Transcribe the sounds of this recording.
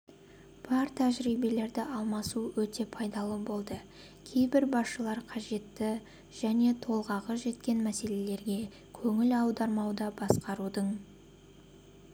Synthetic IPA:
b̥ɑɾt̪ʰæʒɾijbe̞le̞ɾd̪ɪʔɑlˠmɑsuwɵt̪e̞pʰɑjd̪ɑlˠəbo̞lˠd̪ə | kʲʰe̞jbɪɾbɑsʃəlˠɑɾqʰɑʒe̞t̪ːɪ | ʒ̥æne̞t̪ʰo̞lˠʁɑʁəʒe̞t̪kʲe̞nmæse̞le̞le̞ɾɡʲe̞ | kʲʰɵŋɪlɑwd̪ɑɾmɑwd̪ɑbɑsqɑɾud̪əɴ

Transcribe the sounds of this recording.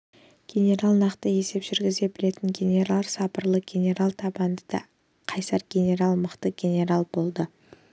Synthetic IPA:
ɡ̥ʲe̞nʲe̞ɾalˠnɑqt̪əe̞se̞pʒʏɾɡʲɪze̞bɪle̞t̪ɪŋɡʲe̞nʲe̞ɾlˠɾsɑpəɾlˠəɡʲe̞ne̞ɾalˠt̪ʰɑbɑnd̪əd̪ɑ̰ | qʰɑjsɑɾɡʲe̞nʲe̞ɾalˠməqt̪əɡʲe̞nʲe̞ɾalˠbo̞lˠd̪ə

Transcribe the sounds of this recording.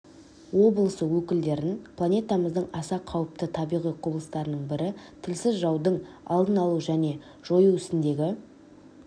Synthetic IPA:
wo̞bəlˠəsəwɵkʲɪld̪e̞ɾɪnpʰlˠanʲe̞t̪ɑməzd̪əɴɑsɑqʰɑwəp̚t̪ət̪ʰɑbijʁijqʰoblˠəst̪ɑɾənəɴbɪɾɪt̪ʰɪlsɪzʒɑwd̪əɴ | ɑ̰lˠd̪ənɑlˠuʒæne̞ | ʒ̥o̞juɪst̪ɪnd̪e̞ɡʲɪ

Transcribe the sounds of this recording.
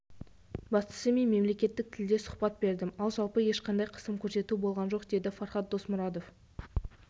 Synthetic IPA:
bɑst̪ə̥səme̞nme̞mle̞kʲe̞t̪ːɪk̚t̪ʰɪld̪e̞sʊ̥χpɑt̪̚be̞ɾd̪ɪmɑlˠʒɑlˠpəje̞ʃqʰɑnd̪ɑjqʰə̥səmkʲʰɵɾse̞t̪ubo̞lˠʁɑnʒo̞qd̪e̞d̪ɪfɑɾχɑt̪̚d̪o̞smʊɾɑd̪o̞f

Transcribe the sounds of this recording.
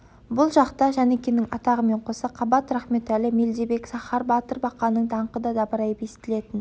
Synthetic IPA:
bʊlˠʒɑqt̪ɑʒænekʲenɪŋɑt̪ɑʁəme̞ɴqʰo̞sɑqʰɑbɑt̪ɾæχme̞t̪ælɪme̞ld̪ebe̞ksɑχɑɾbɑt̪əɾbɑqːɑnəɴd̪ʰɑɴqəd̪ɑd̪ɑbəɾɑjəpesɪ̥t̪ɪle̞t̪ɪn

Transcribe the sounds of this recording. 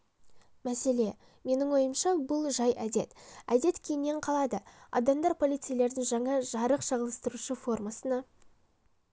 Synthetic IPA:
mæse̞le̞ | me̞nɪŋwo̞jəmʃɑbʊlˠʒɑjæd̪e̞t̪æ̰d̪e̞t̪kʲʰe̞jne̞ɴqʰɑlˠɑd̪əɑ̰d̪ɑmd̪ɑɾpʰo̞lˠijt̪sɨjle̞ɾd̪ɪŋʒɑɴɑʒɑɾəqʃɑʁəlˠəst̪əɾuʃəfo̞rmɑsənɑ

